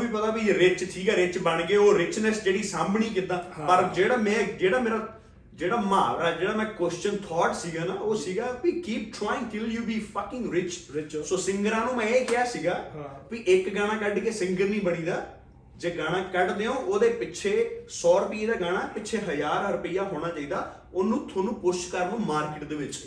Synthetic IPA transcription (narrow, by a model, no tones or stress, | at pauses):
iːpət̪aːbiːɾɪt͡ʃt̪ʰiːkaːɾɪt͡ʃbəɳɡeːoːɾɪt͡ʃnəsd͡ʒeːɽiːsaːmnĩːk̬ɪt̪ːaːpəɾd͡ʒeːɽaːmɛ̃ːd͡ʒeːɽaːmeːɾaː | d͡ʒeːɽaːmãːɾaːd͡ʒeːɽaːmɛ̃ːkwɛst͡ʃənt̪ʰɔːʈsiːɡaːnaːoːsiːɡaːʋiːkiːp̚ʈʰɾaːɪ̃ŋɡʈɪljuːbiːfʰəkɪ̃ŋɡɾɪt͡ʃːsoːsɪ̃ŋɡəɾãːnũːmɛ̃ːeːkɪjaːsiːɡaːpiːʔɪkɡaːɽ̃ãːkəɖkeːsɪ̃ŋɡəɾnĩːbəɽ̃iːd̪aː | d͡ʒeːɡaːɽ̃ãːkəɖd̪eːõːʔoːd̪eːpɪʃʰeːsɔːɾʊpieːd̪aːɡaːɽ̃aːpɪːʃʰeːɦəd͡ʒaːɾɾʊpɪjaːɦoːɽ̃aːt͡ʃaːiːd̪aː | onũːt̪ʰoːnũːpʊʃkəɾnõːmaːɾkɪʈd̪eːʋɪt͡ʃ